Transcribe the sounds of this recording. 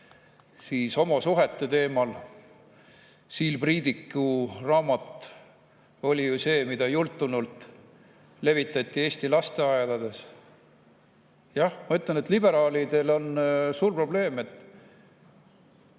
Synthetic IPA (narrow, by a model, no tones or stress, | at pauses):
siːso̞mɑsuɦet̪ːˑe̞t̪e̞ːmɑl | siːlpriːd̪ikːˑurɑːmɑt̪ | o̞lʲijuse̞ːmid̪̥ɑjult̪ːˑunult̪ | le̞vit̪ːˑɑt̪ʲˑːie̞ːsʲt̪ilɑst̪e̞ɑelɑd̪e̞s | jɑhmɑyt̪ˑlenet̪libe̞ɾɑːlid̪e̞lo̞nsuːrpro̞ble̞ːme̞t̪ː